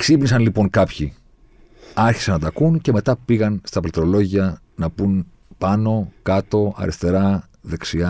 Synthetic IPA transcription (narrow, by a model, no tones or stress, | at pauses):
ksipnisɐnlipo̞ŋkɐpçi | ɐɾçi̥sɐnːɐt̪ɐkunce̞me̞t̪ɐpiɣɐnst̪ɐplit̪ɾo̞lo̞ʝiɐ | nɐpun | pɐno̞kɐt̪o̞ɐ̰ɾist̪e̞ɾɐ | ðe̞ksiɐ